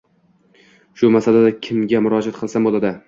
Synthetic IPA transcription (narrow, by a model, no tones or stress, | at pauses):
ʃʊmasalad̪akʲʰɪmɡʲamʊɾɒd͡ʒat̪qʰɨlˠsambolˠad̪ɪ